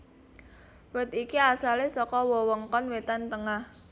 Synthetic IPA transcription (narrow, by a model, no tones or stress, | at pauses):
wət̪ikiasalesɔkɔwɔwɔŋkɔnwet̪ant̪əŋah